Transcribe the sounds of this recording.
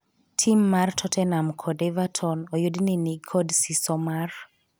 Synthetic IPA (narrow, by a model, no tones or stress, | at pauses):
tʰimːartʰɔtʰɛnamkʰɔdɛvatʰɔnɔjodninikʰɔdsisɔmar